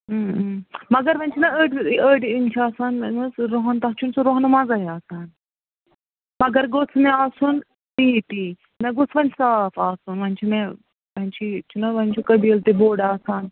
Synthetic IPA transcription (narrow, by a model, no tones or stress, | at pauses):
mɐɡɐɾʋɐnʲt͡ʃʰinɐəːʈəːɖint͡ʃʰiaːsaːnnut͡sɾoɦɐnt̪ɐɦt͡ʃʰunsuɾoɦɐnmɐd͡zaɦiaːsaːn | mɐɡɐɾɡot͡sʰmeaːsun | t̪it̪i | nɐɡut͡sʰʋɐnsaːfaːsunʋɐnt͡ʃʰine | ʋɐnʲt͡ʃʰit͡ʃʰunɐʋɐnʲt͡ʃʰikɐbilt̪iboːɽaːsaːn